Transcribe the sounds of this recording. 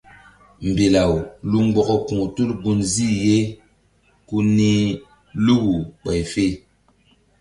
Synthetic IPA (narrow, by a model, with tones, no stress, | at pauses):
m˨be˨la˨wlu˦ŋ˦ɡ͡bɔ˦kɔ˦kũ˨ŋ˨tu˦lɡu˦nzi˦˨je˦ | ku˦ni˦ | lu˦ɡu˨k͡pa˨jfe˦